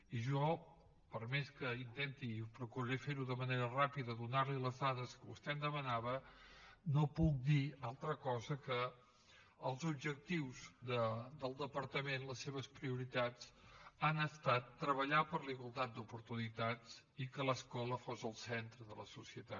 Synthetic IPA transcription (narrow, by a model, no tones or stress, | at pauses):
iʒɔ | pəɾmeskəint̪ɛnt̪ipɾukuɾɾefeɾuðəməneɾərapiðəðunaɾliləzðaðəskəβust̪ɛnd̪əmənaβə | nopuk̚d̪ialˠt̪ɾəkɔzəkəː | lˠzub̚ʒək̚t̪iwzd̪əd̪əlˠd̪əpəɾt̪əmenləsːeβəspɾiuɾit̪at͡sanəst̪at̪ːɾəβəʎapəɾliɣwəlˠt̪at̪̚d̪upuɾt̪unit̪at͡s | ikələskɔləfozəlˠsɛnt̪ɾəðələ̰susiət̪at̪